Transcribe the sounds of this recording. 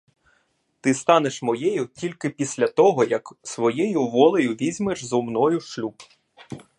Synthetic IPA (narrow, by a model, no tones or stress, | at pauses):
t̪ɪst̪ɑneʃmɔjɛjʊtʲilʲkɪpʲisʲlʲɐt̪ɔɦɔjɐksʋɔjɛjʊʋɔlˠejʊʋʲizʲmeʒzɔmnɔjʊʃlʲub